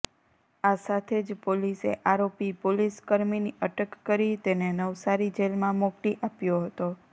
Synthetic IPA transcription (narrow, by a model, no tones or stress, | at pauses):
asat̪ʰed͡ʒpolisḛʔaɾopipoliskəɾminiʔəʈəkːəɾit̪enenəʋsaɾid͡ʒelmãmɔkʈiʔapjoɦət̪o